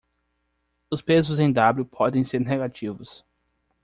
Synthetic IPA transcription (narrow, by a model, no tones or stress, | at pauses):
ʊspezʊzẽj̃d̪abljʊpʰɔd̪ẽj̃seɾneɡat͡ʃivʊs